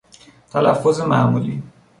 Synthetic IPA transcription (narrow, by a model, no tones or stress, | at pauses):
t̪ʰælæfːozemamuːli